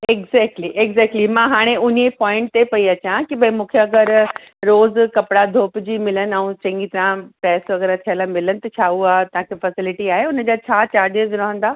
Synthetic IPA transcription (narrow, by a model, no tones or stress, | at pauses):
eɡzɛːk̚ʈliʔeɡzɛːk̚ʈlimãɦaːɽ̃eʊnepɔ̃ːɪ̃ɳʈ̚t̪epɐiɐt͡ɕãkibʱɐimũːkʰeɐɡəɾ | ɾoːzkɐpɪɽad̪ʱoːpd͡ʑiːmɪlənɛ̃ũt͡ɕɐ̃ŋɡit̪ɐɾãpɛːsʋɐɣɛːɾat̪ʰiəlamɪlənɪ̆t̪ɐt͡ɕʰaːuaːt̪ɐãkʰefɐsɪlɪʈiaːɦeʊnəd͡ʑaːt͡ɕʰaːt͡ɕaːɾɖiəzɾɐɦə̃nd̪aː